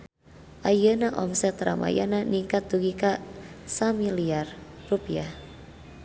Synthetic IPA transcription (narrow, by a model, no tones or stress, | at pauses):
ʔajənaʔɔmsɛt̪ra̰ma̰ja̰naniŋkat̪̚d̪uɡikasamiliarrupiah